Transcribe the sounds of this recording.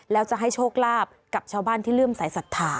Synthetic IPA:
lɛː˦˥wt͡ɕa˨˩ʔɦa˥˩jt͡ɕʰoː˥˩k̚laː˥˩p̚ka˨˩p̚t͡ɕʰaː˥˩wbaː˥˩nt̪ʰiː˥˩lɯ˥˩msaː˩˦jsa˨˩t̪ʰːaː˨˩˦

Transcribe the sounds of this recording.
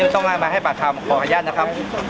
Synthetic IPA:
t̪ɔ˥˩ŋʔaː˧˩maː˧ɦa˥˩jpaː˨˩t̪̚ʰaː˧˩wm˨˩kʰɔː˧kʰaː˧jaː˥˩na˦˥kʰa˦˥p̚

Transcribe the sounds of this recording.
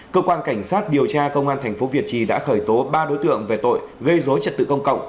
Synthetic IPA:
kəː˧kwaː˧nka˧˩jŋ̟saː˦˥t̚ɗi˨˩əwt͡ɕaː˧kə˧wŋ͡mʔaː˧nt̪ʰɛ˨˩jŋ̟fo˨˦vi˨˩ət̚t͡ɕi˧ɗa̰ː˧˥xəː˧˩jt̪o˨˦ɓaː˧ɗo˨˦jt̪ɨ̰˧˨əŋve˨˩t̪o̰˧˨jɣə˧jzo˨˦jt͡ɕə˨˩t̚t̪ɨ̰˧˨kə˧wŋ͡mkə̰˧˨wŋ͡m

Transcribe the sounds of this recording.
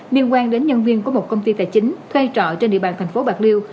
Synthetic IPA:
li˧ənkwaː˧nɗe˨˦nɲə˧nvi˧ənku˨˩əmo˨˩t̚kə˧wŋ͡mt̪i˧t̪a̰ː˧˨˩jt͡ɕï˨˦ŋ̟t̪ʰwe˧t͡ɕɔ̰˧˨t͡ɕe˧nɗḭ˧˨əɓa̰ː˧˨nt̪ʰa˨˩jŋ̟fo˨˦ɓaː˨˩k̚li˧w

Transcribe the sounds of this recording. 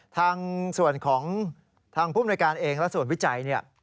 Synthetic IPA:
t̪ʰaː˧ŋsu˨˩ənkʰɔː˩˦ŋ | t̪ʰaː˧ŋpʰuː˥˩m˦duː˧jkaː˧nʔeː˧ŋlɛ˦˥su˨˩ənwi˦˥t͡ɕa˧jni˥˩ɐ

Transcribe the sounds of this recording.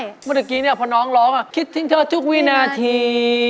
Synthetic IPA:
mː˧˥˩t̪a˨˩kiː˧ni˥˩ɐpʰɔ˧nɔː˨˦˥ŋlɔː˦˥ŋa˧˩kʰi˦˥t̪̚ʰːi˧˦ŋt̪ʰɤː˧t̪ʰu˦˥k̚wiː˦˧˥naː˧t̪ʰiː˧

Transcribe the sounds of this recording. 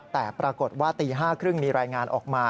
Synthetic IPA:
t̪ɛː˨˩pɾaː˧ko˨˩t̪̚waː˥˩t̪iː˧ɦaː˥˩kʰɾɯ˥˩ŋmiː˧ɾaː˧jŋaː˧nʔɔ̰ː˨˩k̚maː˧

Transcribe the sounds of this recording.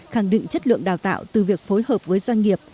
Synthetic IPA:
xa˧˩ŋɗḭ˧˨ŋ̟t͡ɕə˦˥t̚lɨ̰˧˨əŋɗaː˨˩wt̪a̰ː˧˨wt̪ɨ˨˩vi˨˩ək̚fo˨˦jhəː˨˩p̚vəː˨˦jzwa˧ŋ̟ŋi˨˩əp̚

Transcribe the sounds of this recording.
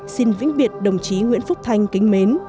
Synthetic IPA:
si˧nvḭ˧˥ŋ̟ɓi˨˩ət̚ɗə˨˩wŋ͡mt͡ɕi˨˦ŋwḭ˧ənfʊ˦˥k͡p̚t̪ʰa˧jŋ̟kï˨˦ŋ̟me˨˦n

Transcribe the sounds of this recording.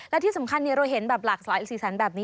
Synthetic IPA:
llɛ˦˥t̪ʰiː˥˩sa˩˦mkʰa˧nːi˧˩ɐɾa˧jɦe˩˦nbɛː˨˩p̚laː˨˩k̚saː˩˦jsiː˨˩sa˩˦nbɛː˨˩p̚niː˦˥

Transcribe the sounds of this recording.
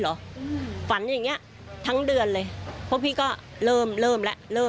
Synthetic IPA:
lɔ˨˦˧fa˩˦nja˨˩ŋːi˦˥ɐʔ | t̪ʰa˦˥ŋdɯ˧ənlɤː˧jpʰu˥˩ə˨kpʰiː˥˩kɔː˥˩lɤː˥˩mlɤː˥˩mlɛ˦˥ʔlɤː˥˩

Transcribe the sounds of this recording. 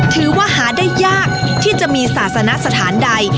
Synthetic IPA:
t̪ʰɯː˨˩˦waː˥˩ɦaː˩˦daː˥˩jːaː˥˩k̚ | t̪ʰiː˥˩t͡ɕa˨˩ʔmiː˧saː˨˩t̪̚sa˧na˦˥ʔsa˧t̪ʰaː˩˦nda˧j

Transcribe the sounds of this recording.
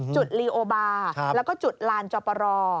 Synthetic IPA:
t͡ɕu˨˩t̪̚liː˧ʔoː˧baː˧˦lɛː˦˥wkɔː˥˩t͡ɕu˨˩t̪̚laː˧nt͡ɕɔː˧pɔ˧ɾɔː˧

